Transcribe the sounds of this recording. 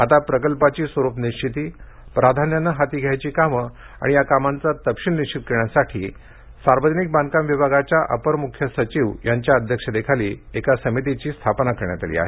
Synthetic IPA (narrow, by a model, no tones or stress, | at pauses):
at̪apɾəkəlpat͡ɕiːsʋəɾupniɕt͡ɕʰit̪iː | pɾad̪ʱanjanːəɦat̪iːɡʱjajt͡ɕiːkamə | a̰ɽ̃ijakamant͡sat̪əpʂinniɕʰit̪̚kəɾɳjasaʈʰiː | saɾʋəd͡ʑnik̚bãnkamʋibʱaɡat͡ɕjaʔə̰pəɾmukʰjəsət͡ɕiʋjaɲt͡ɕjaəd̪ʱjəkʂəd̪ekʰaliːekasəmit̪̬it͡ɕiːst̪ʰapnakəɾɳjat̪alḭːa̰ɦe